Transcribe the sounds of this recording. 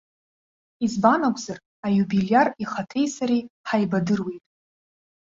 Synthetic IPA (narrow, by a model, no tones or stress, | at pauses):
izbanakʷʼzar | ajubilijariχatʰe̞jsaɾiħajbadɨrwejtʼ